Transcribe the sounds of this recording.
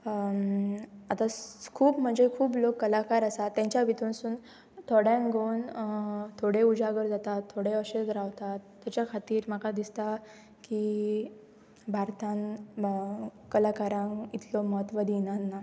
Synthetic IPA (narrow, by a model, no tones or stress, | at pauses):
at̪akʰuːbm̤əɳd͡zekʰuːblokːəlakaɾəsat̪ːjãɲt͡ɕjaʋit̪unsuːn | t̪ʰoɽjãŋɡʱownt̪ʰoɽeud͡zaɡəɾd͡zat̪at̪ʰːoɽeəɕet͡sɾaʋt̪at̪ːjat͡ɕjakʰat̪iːɾm̤əkad̪ist̪a | ki | bʱaɾt̪ãn | kəlakaɾãŋit̪ʰlɔməɦət̪ʋəd̪inanːa